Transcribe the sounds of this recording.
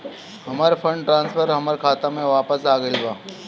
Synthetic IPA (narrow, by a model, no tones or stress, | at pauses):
hɐmaːɾfʰə̃ɳɖʈɾãːnsfəɾɦɐməɾkʰaːt̪ãmẽʋaːpəsaːɡəilbaː